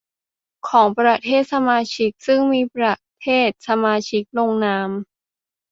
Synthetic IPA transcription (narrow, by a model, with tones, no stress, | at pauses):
kʰɔː˩˦ŋpɾa˧t̪ʰeː˥˩t̪̚sa˧maː˧t͡ɕʰi˦˥k̚sɯ˥˩ŋmiː˧pɾa˧˩t̪ʰeː˥˩t̪̚sa˧maː˧t͡ɕʰi˦˥k̚loː˧ŋnaː˦˥m